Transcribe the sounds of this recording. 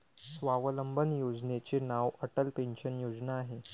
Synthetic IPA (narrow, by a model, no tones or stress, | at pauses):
sʋaʋələmbʱənjod͡znet͡ɕenaʋəʈəlpenɕənjod͡znaːɦe